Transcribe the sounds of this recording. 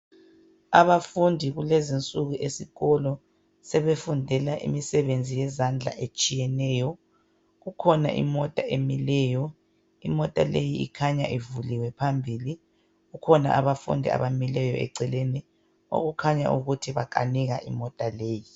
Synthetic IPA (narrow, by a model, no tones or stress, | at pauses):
aβafundʱiɣulezint͡sʼuɣuʔesiɣɔlɔ | sɛβefundʱɛlaʔḭmisɛβend͡zʱijɛzand͡ɮʱa̰ʔet͡ʃʼijɛnɛːjɔ | ɣukʰɔna̰ʔḭmɔtʼaʔemilɛjɔ | imɔtʼa̰lejiḭkʰaɲaʔivuliwɛpʰambʱili | ɣukʰɔna̰ʔaβafṵndʱia̰βamilɛjɔɛ̰ǀɛlɛnɛ | o̰ɣukʰaɲa̰ʔṵɣutʰiβakʼa̰niɣaʔimɔtʼaleːji